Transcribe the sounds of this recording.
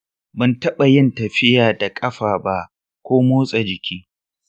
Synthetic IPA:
bɐ˨ntɐ˦ɓa˨jɪ˦ntɐ˨ɸɪ˦jaː˨da˨kʼɐ˦ɸaː˨ba˦ʔ | kʷoː˦moː˦sʼa˨d͡ʒɪ˨kʲʰiː˦

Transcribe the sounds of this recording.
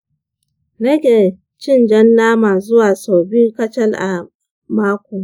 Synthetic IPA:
nɐ˦kʲe˨ | t͡ʃɪ˦˨nd͡ʒɐ˦nːaː˦maː˨zʊ˦waː˨so˨bi˦kɐ˦t͡ʃɐ˦lʔa˨ | maː˦kʷo˨

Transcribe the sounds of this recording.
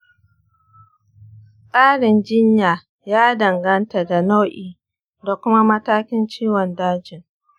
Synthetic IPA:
kʼaː˦ɽɪ˨nd͡ʒɪ˦ɲjaː˨ | jaː˦dɐ˨ŋɡɐ˦nta˨da˨no˦ʔiː˨ | da˨kʷʊ˦ma˦mɐ˦taː˦kʲɪ˦nt͡ʃiː˦wɔ˨ndaː˦d͡ʒɪ˨ŋ

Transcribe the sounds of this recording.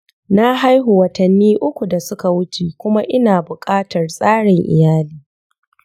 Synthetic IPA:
na˦ɦa˦jɦʊ˨wɐ˨tɐ˨nːiː˦ʔʊ˦kʷu˨da˨sʊ˦ka˨wʊ˦t͡ʃe˨kʷʊ˦ma˦ʔɪ˦naː˨bʊ˨kʼaː˦tɐ˨rsʼaː˦ɽɪ˨ŋʔɪ̰˨jaː˦liː˦

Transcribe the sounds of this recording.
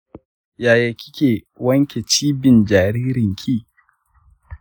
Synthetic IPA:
jaː˨ja˨kʲɪ˦kʲe˨ | wɐ˦ŋkʲe˨t͡ʃiː˦bɪ˨nd͡ʒaː˨ɾiː˦ɾɪ˨ŋkʲʰiː˦˨

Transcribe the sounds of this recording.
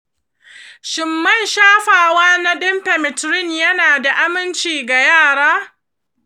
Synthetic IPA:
ʃɪ˨mːɐ˦˨nʃaː˦ɸaː˨waː˦na˦ɗɪ˦mpɛ˨mɪ˨tɾɪ˦˨njɐ˦naː˨da˨ʔa˦mɪ˦nt͡ʃiː˨ɡa˨jaː˦˨ɽaː˦

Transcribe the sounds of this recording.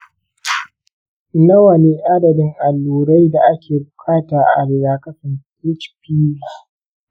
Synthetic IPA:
nɐ˦wɐ˨ne˦ʔa˦dɐ˨bɪ˦ŋʔa˨lːuː˨ɽa˦jda˨ʔa˦kʲʰeː˨bʊ˨kʰaː˦taː˨ʔa̰˨lɪ˨daː˨kɐ˦ɸɪ˨nkɪ˦t͡ʃpiː˦la˨

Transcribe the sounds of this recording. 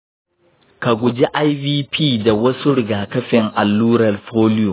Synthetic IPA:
ka˨ɡʷʊ˨d͡ʒi˦ʔa˦jviː˦pʰiː˦da˨wɐ˦su˦ɽʊ˨ɡaː˨kɐ˦ɸɪ˨ŋʔa˨lːuː˦ɾɐ˨lɸoː˦lɪ˦jo˨

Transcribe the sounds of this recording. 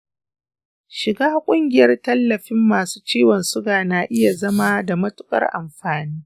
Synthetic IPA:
ʃɪ˨ɡaː˦kʷʼʊ˦ŋɡʲɪ˨jɐ˦rtɐ˦lːɐ˨ɸɪ˦mːaː˨su̥ː˦t͡ʃiː˦wɐ˨nsʊ˦ɡaː˨naː˨ʔɪ˦ja˨zɐ˦ma˦da˨mɐ˦tʊ̥˦kʼɐ̰˦rʔa̰˨mɸaː˨niː˦

